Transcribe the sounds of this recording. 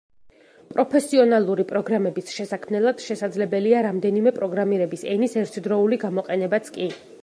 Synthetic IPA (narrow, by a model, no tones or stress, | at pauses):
pʼɾʔɔpʰɛsiɔnalˠuɾipʼɾɔɡɾamɛbisʃɛsakʰmnɛlˠad̪̥ʃɛsad̪zlɛbɛliaɾamd̪ɛnimɛpʼɾɔɡɾamiɾɛbisɛnisɛɾt̪ʰd̪ɾɔuliɡamɔqʼɛnɛbat̪sʰkʼi